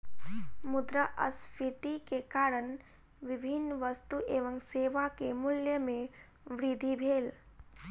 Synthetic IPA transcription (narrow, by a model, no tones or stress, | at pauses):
mʊd̪ɾəʔə̰spʰɪt̪ikekaːɾəɳ | ʋɪbʱɪnːʋəst̪uʔeːʋə̃ŋseːʋakemʊljəmẽ | ʋɾɪd̪ʱibʱeːl